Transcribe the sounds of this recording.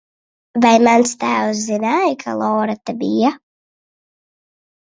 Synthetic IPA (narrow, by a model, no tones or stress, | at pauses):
vajmanst̪æːws̬zinajkʰa̰lˠɔːɾat̪abija